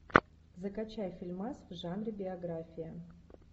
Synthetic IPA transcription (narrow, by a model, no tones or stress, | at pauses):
zɐkat͡ɕajfʲilʲmasvʐanrʲɪbʲɪɐɡɾafʲijɐ